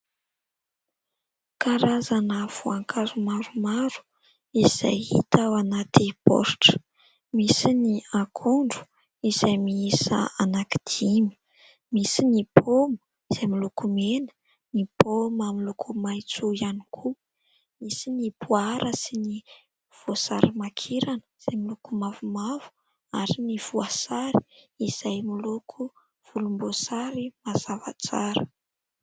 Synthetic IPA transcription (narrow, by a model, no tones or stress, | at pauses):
kaɾazanəv̥oaŋkʰazumaɾumaɾu̥ | iz̥a̰jḭt̪awanat̪ipɔ̰ɾʈ͡ʂə̥ | misiniakʰoɳɖ͡ʐu̥ | iz̥ajmiisə̰anaki̥d̪̥imi̥ | misinipʰomu̥ | iz̥ajmilukumenə̥ | nipomamilukʰumajt͡suianikʰu | misinipʰuaɾʔəsini | v̥osa̰ɾimakʰiɾanə̥iz̥ajmilukumavumav̥u̥ | aɾiniv̥uasaɾi̥iz̥ajmilukʰu | v̥ulumbosaɾimazava̰t͡saɾə̰